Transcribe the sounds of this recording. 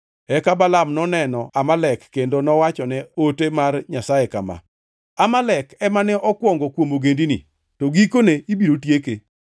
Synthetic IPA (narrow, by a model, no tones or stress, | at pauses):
ɛkabalamnɔnɛnɔamalɛkːendonɔwat͡ʃɔnɛotemarɲasajeka̰ma̰ | amalɛkɛmanɛʔɔkwɔŋɡɔkwomoɡendinḭ | toɡikoneibiɾotjeke